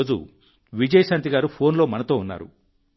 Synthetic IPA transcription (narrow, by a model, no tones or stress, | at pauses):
d͡ʒṵ | ʋid͡ʒɐjɐsant̪iɡaːɾupʰo̞ːnlo̞ːmɐnɐt̪o̞ːunːa̰ːɾṵ